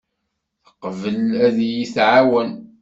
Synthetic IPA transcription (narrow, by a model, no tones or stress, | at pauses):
θəqvəlæðjiθʕawən